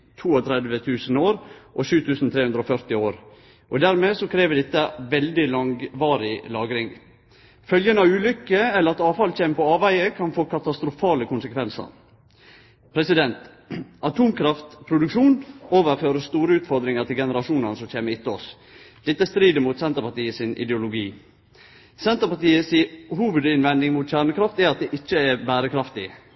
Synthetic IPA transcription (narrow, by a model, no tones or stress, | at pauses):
t̪ʰuːɔt̪ʰɾɛd̪ʋət̪ʰʉːsənoːɾʔɔʃʉːt̪ʰʉːsn̩t̪ʰɾeːʉnd̪ɾəɔfœɾt̪ɪoːɾ | ʔɔd̪æɾmeːsɔkʰɾeːʋəd̪ɛt̪ːəʋɛld̪ɪlɑŋʋɑːɾɪlɑːɡɾɪŋ | fœljənɑʋʉːlʏkːəɛlːəɾɑt̪ɑːʋfɑlc͡çeːmpɔɑːʋæɪəkʰɑnfoːkʰɑt̪ɑst̪ɾʊfɑːləkʰʊnsəkʰʋɛnsə̰ɾ | pʰɾɛsɪd̪ɛnt̪ | ʔɑt̪ʰuːmkʰɾɑft̪pʰɾʊd̪ʉkʂuːnoːʋəɾføːɾəst̪uːɾəʉːt̪fɔɾd̪ɾɪŋət̪ʰɪlɡɛnəɾɑʂuːnənsɔc͡çeːməɾɪt̪ːəɔs | d̪ɛt̪ːəæst̪ɾiːd̪əmʊt̪sɛnt̪əɾpɑt̪iːəsɪnɪ̰d̪ɛʊlʊɡiː | sɛnt̪əpɑt̪iːəsɪɦuːʋʉd̪ɪnʋɛnd̪ɪŋmʊt̪çæːɳəkʰɾɑft̪ɛɾɑt̪̚d̪ɛʔɪt͡ʃːəɛbæːɾəkʰɾɑft̪ɪ